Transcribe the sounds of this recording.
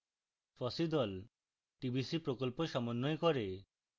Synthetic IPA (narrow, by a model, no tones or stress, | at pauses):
fʰɔsid̪ɔl | ʈibʱisipɾokɔlpoʃɔmɔnːɔjkɔɾe